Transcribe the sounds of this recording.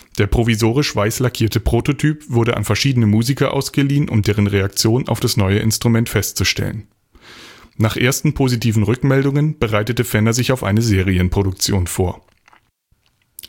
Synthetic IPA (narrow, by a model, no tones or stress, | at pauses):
d̥eːɐpʁ̥ovizoːʁ̞ɪʃv̥aɪslakʰiːɐtəpʁ̥ototʰyːpv̥ʊɐdəʔa̰nfɛɐʃiːdənəmuːzikɐʔa̰ʊsɡ̥əliːənʔʊ̰md̥eːʁ̞ənʁeak̚t͡sjoːna̰ʊfd̥asnɔʏəʔɪ̰nstʁ̥umɛntfɛstt͡suʃtɛ̰lə̰n | naːχʔeːɐstn̩pʰozitiːvn̩ʁʏkmɛldʊŋənb̥əʁaɪtətəfɛnɐzɪçaʊfʔa̰ɪnəzeːʁ̞iənpʁ̥oɾʊk̚t͡sjoːnfoːɐ